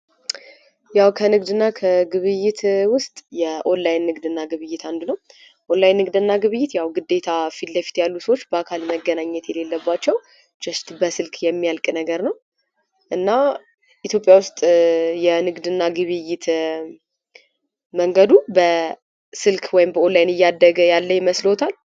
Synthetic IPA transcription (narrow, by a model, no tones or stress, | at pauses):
jawkʰənɨɡd̪ɨnːakʰəɡɨβɨjɪt̪ʰwʊst̪ʼjɛʔo̞lːajnːɨɡd̪ɨnːaɡɨβɨjːɪt̪ʰand̪unəw | ʔolːajnːɨɡd̪ɨnːaɡɨβɨjːɪt̪jawɡɨd̪ːe̞t̪ʰafit̪lːəfi̥t̪jalːusəwot͡ʃːbəakʰalməɡːənaɲːɛt̪jɛle̞lːəbːat͡ʃːɛw | t͡ʃɛst̪bəsɨlkjɛmːijalkʼnəɡəɾnəw | ʔɨnːa | ʔit̪jo̞pʼjawʊst̪ʼjɛnɨɡd̪ɨnːaɡɨβɨjːɪt̪ʰ | məŋɡəd̪ubə | sɨlkʰwɔjɪmbəo̞lːajnɨjːad̪ːəɡəjalːəjməslo̞t̪ʰal